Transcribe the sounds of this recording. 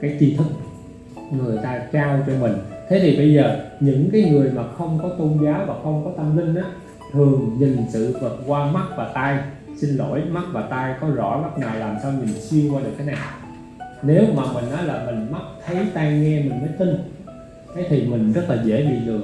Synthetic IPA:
kaː˨˦jt̪i˧t̪ʰɨ˨˦˥k̚ | ŋɨ˨˩əjt̪aː˧t͡ɕaː˧wt͡ɕɔ˧mï˨˩ŋ̟t̪ʰe˨˦t̪ʰi˨˩ɓə˧jzəː˨˩ɲɨ̰˧˥ŋkaː˨˦jŋɨ˨˩əjmaː˨˩xə˧wŋ͡mkɔ˨˦t̪o˧nzaː˨˦wvaː˨˩xə˧wŋ͡mkɔ˨˦t̪ʰə˧mlï˧ŋ̟ʔaː˨˦ | t̪ʰɨ˨˩əŋɲi˨˩ŋsɨ̰˧˨və˨˩t̚kwaː˧ma˦˥t̚vaː˨˩t̪aː˧j | si˧ŋlo̰˧˩˥jma˦˥t̚vaː˨˩t̪aː˧jkɔ˨˦zɔ̰˧˥ma˦˥t̚ŋaː˨˩jlaː˨˩msaː˧wvi˨˩mï˨˩ŋ̟si˧əkwaː˧ɨ˨˩k̚t̪ʰːa˨˦naː˨˩w | ne˨˦wmaː˨˩mï˨˩ŋ̟ʔɔ˨˦jlaː˨˩mï˨˩ŋ̟ma˦˥t̚t̪ʰə˨˦jt̪aː˧jŋɛ˧mï˨˩ŋ̟məː˨˦jt̪i˧ŋ | t̪ʰe˨˦t̪ʰi˨˩mï˨˩ŋ̟zə˦˥t̚laː˨˩zḛ˧˥ɗḭ˧˨˧zɨ˨˩ə

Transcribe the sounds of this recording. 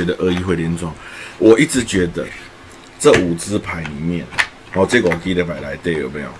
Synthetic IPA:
ɛ˧˦d̪ə˨ʔə˥˧˦i˧˥˧xwljɛ˧˥nt͡swɑ˨˦ŋwɔ˨ʔi˥˩t͡sɻ̩˨˦t͡ɕɥɛ˧˥d̪ə̰˧˨ | t͡sə˥˨u˨˩t͡sɹ̩˦pʰa˨˦ɪni˨˩mjɛ˥˨n | ɔ˨˧ʈ͡ʂe˥˧ɡə˨ɔ˨˩ki˥˧d̪ə˨˩pa˨˩ɪla˨˧˦ɪt̪e˥˨ɪjo̰˨˩ʊpi˧˩jɑ̰˥˨

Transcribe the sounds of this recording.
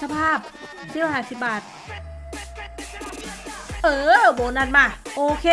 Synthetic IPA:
sa˧pʰaː˥˩p̚ | sʰiː˧˩wa˦˧˩aː˧˩si˨˧˩p̚baː˨˩t̪̚ | ʔɤː˧˩boː˨˩˦na˧˩n̚ma˧˩ʔoː˧kʰeː˧˨

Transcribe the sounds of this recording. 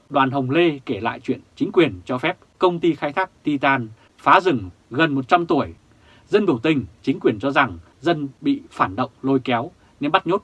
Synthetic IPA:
ɗwaː˨˩nɦə˨˩wŋ͡mle˧ke˧˩la̰ː˧˨jt͡ɕwḭ˧˨ənt͡ɕï˨˦ŋ̟kwi˨˩ənt͡ɕɔ˧fɛ˦˥p̚kə˧wŋ͡mt̪i˧xaː˧jt̪ʰaː˦˥k̚t̪i˧t̪aː˧n | faː˨˦zɨ˨˧˩ŋɣə˨˩nmo˨˩t̚t͡ɕa˧mt̪u˧˩əj | zə˧nɓɨ˧˩wt̪ï˧ŋ̟t͡ɕï˨˦ŋ̟kwi˨˩ənt͡ɕɔ˧za˨˩ŋ | zə˧nɓḭ˧˨faː˧˩nɗə̰˧˨wŋ͡mlo˧jkɛ˨˦w | ne˧nɓa˦˥t̚ɲo˦˥t̚

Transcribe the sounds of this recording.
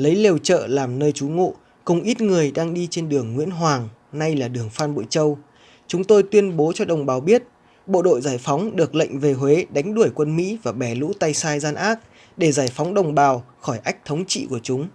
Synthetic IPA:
lə˨˦jle˧wt͡ɕə̰ː˧˨laː˨˩mnəː˧jt͡ɕu˨˦ŋo̰˧˨ | kʊ˨˧˩ŋ͡mʔi˦˥t̚ŋɨ˨˩əjɗaː˧ŋɗi˧t͡ɕe˧nɗɨ˨˩əŋːwḭ˧˥ənɦwaː˨˩ŋna˧jlaː˨˩ɗɨ˨˩əŋfaː˧nɓo̰˧˨jt͡ɕə˧w | t͡ɕʊ˨˦ŋ͡mt̪o˧jt̪wi˧ənɓo˨˦t͡ɕɔ˧ɗə˨˩wŋ͡mɓaː˨˩wɓi˦˥ət̚ | ɓo̰˧˨ɗo̰˧˨jzaː˧˩jfɔ˨˦wŋ͡mɗɨ˨˩ək̚lə̰˧˨jŋ̟ve˨˩ɦwe˨˦ɗa˨˦jŋ̟ɗu˧˩əjkwə˧nmḭ˧˥vaː˨˩ɓɛ˧˩lṵ˧˥t̪a˧jsaː˧jzaː˧nʔaː˦˥k̚ | ɗe˧˩zaː˧˩jfɔ˨˦wŋ͡mɗə˨˩wŋ͡mɓaː˨˩w | xɔ˧˩jʔa˦˥jk̚t̪ʰə˨˦wŋ͡mt͡ɕḭ˧˨ku˧˩ət͡ɕʊ˨˦ŋ͡m

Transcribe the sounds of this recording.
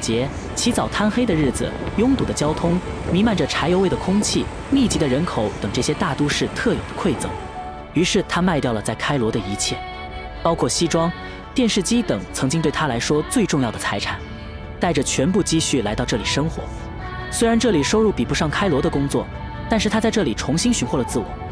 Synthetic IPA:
t͡ɕjɛ˧˥ | t͡ɕʰi˧˥t͡sɑ˨˩ʊt̪ʰa˥nxe˥ɪd̪ə˨˧ɻɻ̩˥˩d͡zɹ̩̰˩jʊ˥ŋt̪u˨˩d̪ə˦t͡ɕjɑ˥ʊt̪ʰʊ˥ŋmi˧˥ma˧˥˩nʈ͡ʂə˩ʈ͡ʂʰa˧˥ɪjo˧ʊwe˥˩ɪə˩kʰʊ˥ŋt͡ɕʰi˥˩ | mi˥˩t͡ɕi˧˥d̪ə˧ɻə˧˥nkʰo˧˩˦ʊt̪ɤ˨˩ŋʈ͡ʂɤ˥˩ɕjɛ˥t̪a˥˩t̪u˥ʂɻ̩˥˧t̪ʰɤ˥˩jo˨˩ʊd̪ə˦kʰwe˥˩ɪt͡sɤ̰˨˩˦ŋ | y˧˥ʂɻ̩˥˩t̪ʰa˥ma˥˧ɪt̪jɑ˥˩ʊlə˩t͡sa˥˩ɪkʰa˥ɪlwɔ˧˥d̪ə˧i˧˥t͡ɕʰjɛ̰˥˩ | pɑ˥ʊkʰwɔ˥˩ɕi˥ʈ͡ʂwɑ˥ŋ | t̪jɛ˥˧nʂɻ̩˥˩t͡ɕi˥t̪ɤ˨˩˦ŋt͡sʰɤ˧˥ŋt͡ɕi˥ŋt̪we˥˩ɪt̪ʰa˥la˧˥ɪʂwɔ˥t͡swe˥˧ɪʈ͡ʂʊ˥˧ŋjɑ˥˩d̪ə˩t͡sʰa˧˥ɪʈ͡ʂʰa˨˩n | t̪a˥˩ɪʈ͡ʂə˩t͡ɕʰɥɛ˧˥npu˥˩t͡ɕi˥˧ɕy˥˩la˧˥ɪt̪ɑ˥˧ʊʈ͡ʂɤ˥˩li˨˩ʂɤ˥ŋxwɔ̰˧˥ | swe˥ɪɻa˧˥nʈ͡ʂɤ˥˩li˨˩ʂo˥ʊɻu˥˩pi˨˩pu˧˥ʂɑ˥˩ŋkʰa˥ɪlwɔ˧˥d̪ə˧kʊ˥ŋt͡swɔ̰˥˩ | t̪a˥˧nʂ̬ɻ̩ʰ˥˧a˥t͡sa˥˧ɪʈ͡ʂɤ˥˩li˨˩ʈ͡ʂʰʊ˧˥ŋɕi˥nɕy˧˥nxwlə˩t͡sɹ̩˥˩wɔ̰˨˩˦

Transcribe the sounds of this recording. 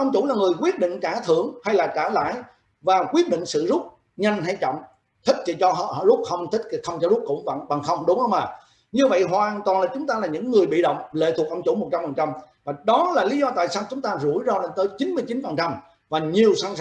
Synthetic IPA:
ʔə˧wŋ͡mt͡ɕʊ˧˥laː˨˩ŋɨ˨˩əjkwi˦˥ət̚ɗḭ̈˧˨ŋ̟t͡ɕaː˧˩t̪ʰɨ˧˩əŋha˧jlaː˨˩t͡ɕaː˧˩la̰ː˧˨j | vaː˨˩kwi˦˥ət̚ɗḭ˧˨ŋ̟sɨ̰˧˨zʊ˦˥p̚ | ɲa˧jŋ̟ɦa˧jt͡ɕɔ̰˧˨wŋ͡m | t̪ʰï˦˥k̟̚t͡ɕi˧˩t͡ɕɔ˧ɦɔ̰˧˨ɔ̰˧˨lʊ˦˥k͡p̚xə˧wŋ͡mt̪ʰï˦˥k̟̚xə˧wŋ͡mt͡ɕɔ˧zʊ˦˥k͡p̚kʊ̰˧˥ŋ͡mɓə̰˧˩ŋɓa˨˩ŋxə˧wŋ͡mɗʊ˨˦ŋ͡mʔə˧wŋ͡maː˨˩ | ɲɨ˧və̰˧˨jɦwaː˨˩nt̪wa˨˩nlaː˨˩t͡ɕʊ˨˦ŋ͡mt̪aː˧laː˨˩ɲɨ̰˧˥ŋːɨ˨˩əjɓḭ˧˨ɗə̰˧˨wŋ͡mlḛ˧˥t̪ʰu˨˩ək̚ʔə˧wŋ͡mt͡ɕu˧˩˦mo˨˩t̚t͡ɕa˧mfə˨˩nt͡ɕa˧m | vaː˨˩ɗɔ˨˦laː˨˩li˨˦zɔ˧t̪a̰ː˧˨jsaː˧wt͡ɕʊ˨˦ŋ͡mt̪aː˧zu˧˩əjzɔː˧ɗe˧nt̪əː˨˦jt͡ɕi˨˦nmɨ˧əjt͡ɕi˨˦nfə˨˩nt͡ɕa˧m | vaː˨˩ɲi˨˩əwsa˧n

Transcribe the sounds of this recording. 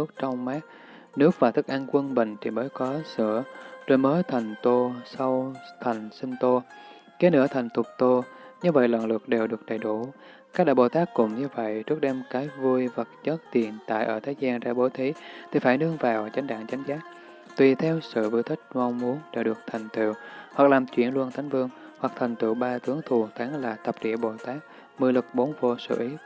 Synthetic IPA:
ɨ˦˥ək̚t͡ɕɔ˧wŋ͡mmaː˦˥k̚ | nɨ˦˥ək̚vaː˨˩t̪ʰɨ˦˥k̚ʔa˧ŋkwə˧nɓï˧˩ŋ̟t͡ɕ̪ʰi˧˩məː˨˦jkɔ˨˦sɨ̰˧˩˨əzo˧˩jməː˨˦jt̪ʰa˨˩jŋ̟t̪o˧sa˧wt̪ʰa˨˩jŋ̟sï˧nt̪o˧ | ke˨˦nɨ̰˧˥ət̪ʰa˨˩jŋ̟t̪ʊ˨˩k͡p̚t̪o˧ɲɨ˧və̰˧˨jlwə̰˧˨nlɨ˨˩ək̚ɗe˨˩wɗɨ˨˩ək̚ɗə˧˩jɗu˧˩ | ka˦˥k̚ɗa̰ː˧˩ɓo̰˧˨˩t̪aː˦˥kːʊ̰˧˩ŋ͡mɲɨ˧və̰˧˨jɾɨ˦˥k̚ɗɛ˧mkaː˨˦jvu˧jvə˨˩t̚t͡ɕə˦˥t̚t̪i˨˩ənt̪a̰ː˧˨jʔəː˧˩t̪ʰəː˨˦jzaː˧nza̰ː˧˩ɓo˨˦t̪ʰi˨˦t̪ʰi˨˩faː˧˩jɗɨ˧əŋvaː˨˩wt͡ɕa˨˦ŋ̟ɗa̰ː˧˨ŋt͡ɕa˨˦jŋ̟zaː˦˥k̚ | t̪wi˨˩t̪ʰɛ˧wsɨ̰˧˨vu˧jt̪ʰï˦˥k̟̚ma˧wŋ͡mmu˨˦ənɗe˧˩ɗɨ˨˩ək̚t̪ʰa˨˩jŋ̟t̪ḭ˧˩˨whwa˨˩k̚laː˨˩mt͡ɕwḭ˧˩ənlu˧nt̪ʰa˨˦jŋ̟vɨ˧əŋ | hwa˨˩k̚t̪ʰa˨˩jŋ̟t̪ɨ̰˧˩wɓaː˧t̪ɨ˨˦əŋt̪ʰu˨˩t̪ʰaː˨˦ŋlaː˨˩t̪ə˨˩p̚ɗḭ˧˩əɓo̰˧˩t̪aː˦˥k̚ | mɨ˧lɨ˨˩k̚ɓo˨˦nvo˧sɨ̰˧˩ʔi˨˦

